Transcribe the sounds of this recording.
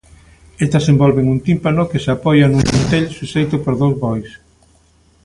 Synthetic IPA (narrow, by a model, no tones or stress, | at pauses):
est̪esembɔlβeŋunt̪impanokesapɔjanuŋmunt̪eʎsusejt̪ʊpoɾðowzβɔjs